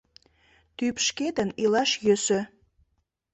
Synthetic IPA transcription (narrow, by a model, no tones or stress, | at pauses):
t̪ypʃket̪ənilɑʃjøsø̆